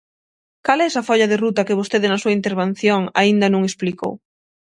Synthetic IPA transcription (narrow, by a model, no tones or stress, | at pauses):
kalɛsɐfɔʎɐðerut̪ɐkeβost̪eðɪnɐsuɐint̪eɾβen̟θjoŋaind̪ɐnũŋespliko̰w